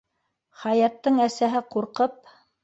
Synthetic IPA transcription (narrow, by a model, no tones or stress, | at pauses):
χɑjɑt̪ːɤɴæsæɦɘquɾqɤp̚